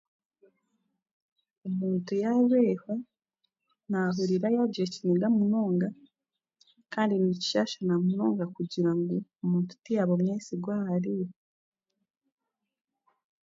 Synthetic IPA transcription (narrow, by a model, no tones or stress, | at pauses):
umuːntujaβeːhwe | naɦuɾiɾajaɟijeciniɡamuno̞ːŋɡa | kaːndinici̥ʃaʃanamunoːŋɡakuɟiɾaŋɡuumuːntu̥tijaβomɲeːsiɡwaaɾijo